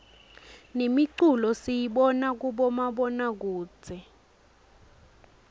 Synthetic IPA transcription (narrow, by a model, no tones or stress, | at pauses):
nemiǀulɔsijiɓɔnak̬uɓɔmaɓɔnak̬uːt͡sʰɛ